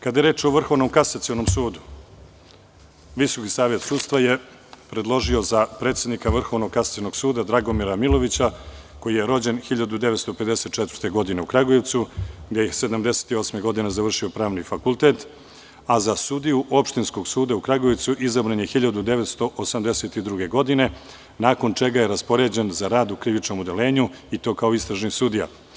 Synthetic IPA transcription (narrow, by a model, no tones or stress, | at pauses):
kad̪ajeɾeːt͡ʂo̞ʋr̩xo̞ʋno̞mkasat̪siono̞msuːd̪u | ʋiso̞kisaːʋjet̪suːd̪st̪ʋaje̞ | pɾe̞d̪lˠo̞ʒio̞zapɾe̞ːt̪sʲjed̪nikaʋr̩xo̞ʋnoɡ̚kasḁt̪ionoɡsuːd̪ad̪ɾaɡo̞miɾamilˠo̞ʋit͡ɕa | ko̞jije̞ɾo̞d͡ʑe̞nxiʎad̪ud̪eʋet̪st̪ope̞d̪e̞se̞t̪̚t͡ʃɛt̪v̥rt̪e̞ɡo̞d̪ine̞ukɾaɡojeʋt̪suɡd̪e̞jise̞d̪amd̪e̞se̥t̪io̞sme̞ɡo̞d̪ine̞zaʋr̩ʂio̞pɾaːʋnifakulˠt̪e̞t̪ | azasud̪ijuʔo̞pʃt̪insko̞ɡsuːd̪aukɾaɡo̞jeʋt̪suʔizabɾanje̞xiʎad̪ud̪e̞ʋet̪st̪o̞ʔosamd̪e̞set̪id̪ɾuɡe̞ɡo̞d̪ine̞ | naːko̞nt͡ʂe̞ɡaje̞ɾaspo̞ɾe̞d͡ʑe̞nzaɾaːd̪ukɾiʋit͡ʃno̞mud̪e̞le̞ːɲuit̪o̞ːkao̞ist̪ɾaʒnisud̪ija̰